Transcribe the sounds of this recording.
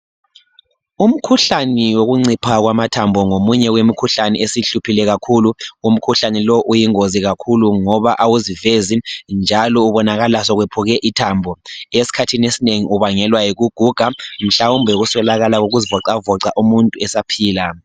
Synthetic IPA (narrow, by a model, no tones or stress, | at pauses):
um̩kʰuɬaniwoɣuŋ͡ǀipʰaɣwamatʰambʱɔŋomuɲɛɣwemikʰuɬanɛ̰esiɬupʰilɛɣakʰuluum̩kʰuɬanɛlɔʔujiŋoziɣakʰuluŋɔβaʔawuzivezind͡ʒʱalɔuβɔnaɣalasɔɣwepʰuɣɛʔitʰambʱɔesi̥kʰatʰinesineŋiʔuβaŋɛlwajiɣuɡ̥ʱuɡ̥ʱam̩ɬawumbʱɛɣuswɛlaɣalaɣoɣuzivɔǀavɔǀaʔumuntʼuɛsapʰiːla